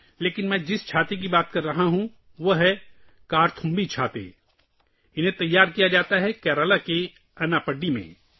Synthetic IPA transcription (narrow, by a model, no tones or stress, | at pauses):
leːkɪnmɛ̃ːd͡ʒɪst͡ʃʰaːt̪ek̬ibaːt̪kɐɾːɐɦaɦũ | ʋoɦɛ | kaːɾt̪ʰʊ̃mbit͡ʃʰaːt̪ḛ | ɪnɦẽt̪ɐjːaːɾkijad͡ʒaːt̪aɦɛkɛːɾəlake | ɐnaːpɐɖːimḛ̃